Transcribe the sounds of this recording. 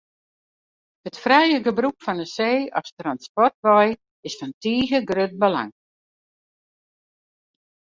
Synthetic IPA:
hətfrɛjəɡəbrukfɔnəseːɔfstranspɔrtʋɔj | ɪsfɔntiːɣəɡrøt̚bəla̰ŋ

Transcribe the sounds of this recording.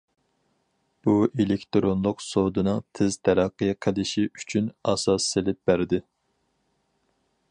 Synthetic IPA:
b̥uʔelekʲt̪ɾonlˠʊqsod̪ɨnɨŋt̪ʰɪzt̪ʰɛɾæqːəjqʰəlˠɪʃiyt͡ʃʰynɑsɑsːelɪp̚b̥æɾd̪ɪ

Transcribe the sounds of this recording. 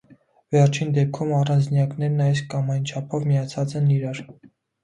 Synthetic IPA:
vɛrt͡ʃʰind̪ɛp̚kʰumɑrɑnd͡znjɑknɛɾnɑjskɑmɑjnt͡ʃʰɑpʰɔvmijɑt͡sʰɑt͡sɛniɾɑɾ

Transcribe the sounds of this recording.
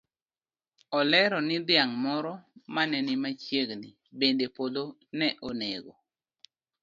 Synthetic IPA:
ɔlɛɾɔnɪd̪ɪaŋmɔɾɔmanɛnɪmat͡ʃjeɡni | bendepod̪o | nɛʔoneɡo

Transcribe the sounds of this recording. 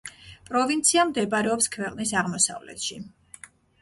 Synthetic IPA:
pʼɾɔvint̪sʰiamd̪ɛbaɾɛɔpskʰvɛqʼnisaʁmɔsa̰vlɛ̰t̪ʃi

